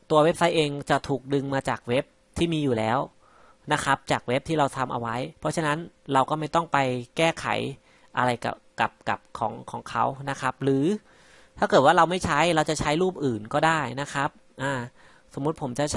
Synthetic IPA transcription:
t̪u˧ɐwe˦˥p̚sa˦˥jʔeː˧ŋt͡ɕa˨˩t̪ʰuː˨˩k̚dɯ˧ŋmaː˧t͡ɕaː˨˩k̚we˦˥p̚ | t̪ʰiː˥˩miː˧juː˨˩lɛː˦˥w | na˦˥kʰa˦˥p̚t͡ɕaː˨˩k̚we˦˥p̚t̪ʰiː˥˩ɾa˧wt̪ʰa˧mʔa̰˧wa˦˥jpʰɔ˦˥t͡ɕʰa˧na˦˥n | ɾa˧wkɔː˥˩ma˥˩jt̪ɔ˥˩ŋpa˧jkɛː˥˩kʰa̰˨˩˦j | ʔa̰˧ɾa˧jka̰˨˩ | ka˨˩p̚ka̰˨˩p̚kʰɔː˩˦ŋkʰɔː˩˦ŋkʰa˦˥wna˦˥kʰa˦˥p̚ɾɯː˩˦ | t̪ʰaː˥˩kɤː˨˩t̪̚waː˥˩ɾa˧wma˥˩jt͡ɕʰa˦˥jɾa˧wt͡ɕa˨˩t͡ɕʰa˦˥jɾuː˥˩p̚ʔɯː˨˩nkɔː˥˩daː˥˩jna˦˥kʰɾa˦˥p̚ʔaː˧˩ | so˩˦mːu˦˥t̪̚pʰo˩˦mt͡ɕa˨˩

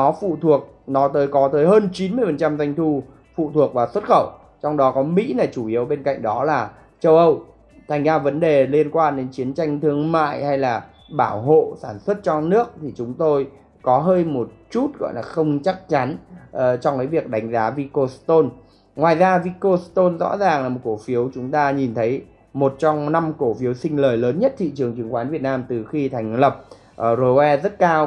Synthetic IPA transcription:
ɔ˨˦fṵ˧˨t̪ʰu˨˩ək̚ | nɔ˨˦t̪əː˨˦jkɔ˨˦t̪əː˨˦jɦəː˧nt͡ɕi˨˦nmɨ˧əjfə˨˩nt͡ɕa˧mza˧jŋ̟t̪ʰu˧ | fṵ˧˨t̪ʰu˨˩ək̚vaː˨˩swə˦˥t̚xə˧˩w | t͡ɕɔ˧wŋ͡mɗɔ˨˦kɔ˨˦mḭ˧˥na˨˩jt͡ɕu˧˩ʔi˨˦əwɓe˧nka̰˧˨jŋ̟ɗɔ˨˦laː˨˩ | t͡ɕə˧wʔə˧w | t̪ʰa˨˩jŋ̟zaː˧və˨˦nɗe˨˩li˧ənkwaː˧nɗe˨˦nt͡ɕi˨˦ənt͡ɕa˧jŋ̟t̪ʰɨ˧əŋma̰ː˧˨jha˧jlaː˨˩ | ɓaː˧˩wɦo̰˧˨saː˧˩nswə˦˥t̚t͡ɕɔ˧nɨ˦˥ək̚t̪ʰi˨˩t͡ɕʊ˨˦ŋ͡mt̪o˧j | kɔ˨˦ɦəː˧jmo˨˩t̚t͡ɕu˦˥t̚ɣɔ̰˧˨jlaː˨˩xə˧wŋ͡mt͡ɕa˦˥k̚t͡ɕa˨˦nʔt͡ɕɔ˧wŋ͡mkaː˨˦vi˨˩ək̚ɗa˨˦jŋ̟zaː˨˦vi˧ko˧st̪o˧n | ŋwaː˨˩jzaː˧vi˧ko˧st̪o˧nzɔ̰˧˥zaː˨˩ŋlaː˨˩mo˨˩ko˧˩fi˨˦əwt͡ɕʊ˨˦ŋ͡mt̪aː˧ɲi˨˩nt̪ʰə˨˦j | mo˨˩t̚t͡ɕɔ˧wŋ͡mna˧mko˧˩fi˨˦əwsï˧ŋ̟ləː˨˩jləː˨˦nɲə˦˥t̚t̪ʰḭ˧˨t͡ɕɨ˨˩əŋt͡ɕɨ˨˩əŋxwaː˨˦nvi˨˩ət̚naː˧mt̪ɨ˨˩xi˧t̪ʰɛ˨˩jŋ̟lə˨˩p̚ | ʔzo˧wɛ˧zə˦˥t̚kaː˧w

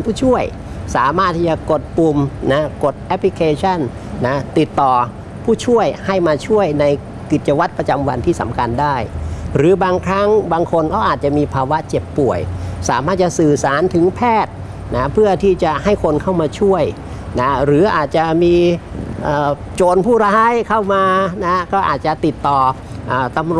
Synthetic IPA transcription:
npʰuː˥˩t͡ɕʰu˥˩əj | saː˩˦maː˥˩t̪ʰːiː˥˩t͡ɕa˨˩ko˨˩t̪̚pu˧mna˦˥ko˨˩t̪̚ʔɛ˦˥pʰli˧kʰeː˧t͡ɕʰa˥˩n | na˦˥t̪i˨˩t̪ːɔː˨˩ | pʰuː˥˩t͡ɕʰu˥˩əjha˥˩jmaː˧t͡ɕʰu˥˩əjna˧j | ki˨˩t̪̚t͡ɕa˧wa˦˥t̪̚pɾa˧t͡ɕa˧mwa̰˧nt̪ʰiː˥˩sa̰˩˦mkʰa˧ndaː˥˩jɾɯː˩˦baː˧ŋkʰɾa˦˥ŋbaː˧ŋkʰo˧nkʰɔː˥˩ʔaː˨˩t̪̚t͡ɕa˨˩ʔmiː˧pʰaː˧wa˦˥ʔt͡ɕe˨˩pːu˨˩əjsaː˩˦maː˥˩t̪̚t͡ɕa˨˩ʔsɯː˨˩saː˨˩˦nt̪ʰɯ˩˦ŋpʰɛː˥˩t̪̚ | na˦˥pʰɯ˥˩ɐt̪ʰiː˥˩t͡ɕa˨˩ʔha˥˩jkʰo˧nkʰa˥˩wmaː˧t͡ɕʰu˥˩əj | na˦˥ɾɯː˩˦ʔaː˨˩t̪̚t͡ɕa˨˩miː˧ʔəː˨˩ | t͡ɕoː˧npʰuː˥˩ɾaː˦˥jkʰa˥˩wmaː˧na˦˥kɔː˥˩ʔa̰ː˨˩t̪̚t͡ɕa˨˩t̪i˨˩t̪ːɔː˨˩ | ʔaː˨˩t̪a˧mɾ

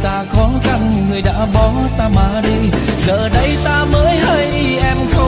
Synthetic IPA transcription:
t̪aː˧xɔ˨˦nxa˧˩ŋŋɨ˨˩əjɗa̰ː˧˥ɓɔ˨˦nt̪aː˧maː˧˩ɗi˧ | zəː˨˩ɗə˧jt̪aː˧məː˨˦jhəː˧j | ʔɛ˧mxə˧

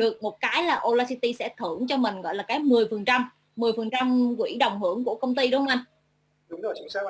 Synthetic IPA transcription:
ɗɨ˨˩ək̚mo˨˩t̚kaː˨˦jlaː˨˩ʔo˧laː˧si˧t̪i˧sɛ̰˧˥t̪ʰɨ˧˩əŋt͡ɕɔ˧mï˨˩ŋ̟ɣɔ̰˧˨laː˨˩kaː˨˦jmɨ˨˩əjfɨ˨˩nt͡ɕa˧mː | ɨ˨˩əjfə˨˩nt͡ɕa˧mkwḭ˧˥ɗə˨˩wŋ͡mɦɨ˧˩əŋku˧˩əkə˧wŋ͡mt̪i˧ɗo˧˦hə˧ʔa˧n˨˧˦

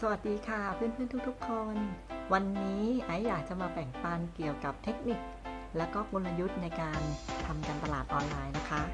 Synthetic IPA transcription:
sa˧wa˨˩t̪̚diː˧kʰa˥˩pʰɯ˥˩˨npʰɯ˥ə˨nt̪u˥kt̪ʰu˦˥kʰːo˧nwa˧nːiː˦˥ʔa˦˥jːaː˨˩k̚t͡ɕa˨˩maː˧bɛ˨˩ŋpaː˧nki˨˩əwka˨˩p̚t̪ʰe˦˥k̚ni˨˩k̚ | lɛː˦˥wkɔː˥˩kʰo˧nla˧ju˦˥t̪̚na˧jkaː˧nt̪ʰa˧mka˧nt̪a˧laː˨˩t̪̚ʔɔː˧nlaː˧jna˦˥kʰa˦˥

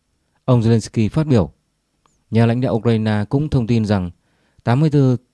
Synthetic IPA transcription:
ʔə˧wŋ͡mze˧le˧nski˧faː˦˥t̚ɓi˧˩əw | ɲaː˨˩la̰˧˥jŋ̟ɗa̰˧˨ʔu˧kɾaː˧naː˧kʊ̰˧˥ŋ͡mt̪ʰə˧wŋ͡mt̪i˧nza˨˩ŋ | t̪aː˨˦mːɨ˧əjt̪ɨ˧

